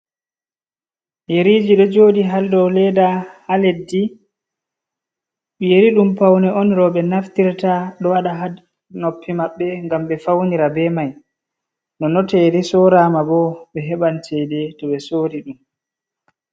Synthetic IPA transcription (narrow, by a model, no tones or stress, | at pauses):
jeɾiːd͡ʒiɗɔd͡ʒoːɗiɦaldɔlɛdahaledːi | ɓɛjeɾiɗumpawnɛɔnɾɔɓɛnaft̪iɾtaɗɔwaɗaɦa | nopʰːimaɓːɛŋɡamɓɛfawniɾabɛmaj | nɔnɔtɛɾisɔɾaːmabɔɓɛɦɛɓantɛdɛtɔɓɛsoːɾiɗum